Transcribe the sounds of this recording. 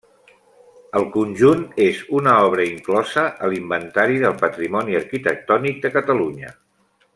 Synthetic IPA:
əlˠkunʲʒunezunəɔβ̞ɾəiŋklɔzəʔəlimbənt̪aɾiðəlˠpət̪ɾimɔniəɾkit̪ək̚t̪ɔnik̚d̪əkət̪əluɲə

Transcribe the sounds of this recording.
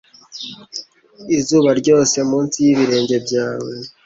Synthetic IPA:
izuːβaɾɟo̞ːse̞muːnsijiβiɾe̞ːɲɟe̞bɟaːwwe

